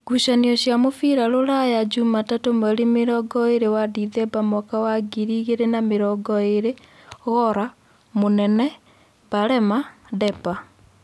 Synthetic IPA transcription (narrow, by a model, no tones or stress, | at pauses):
ɡuʃaniɔɕjamofiɾaloɾajad͡ʒumatatomaɾimeɾɔɡɔeɾewadiðɛbamɔkawaɡiɾiɣeɾenameɾɔɡɔeɾe | ɣɔɾa | monɛnɛ | baɾɛmadɛpa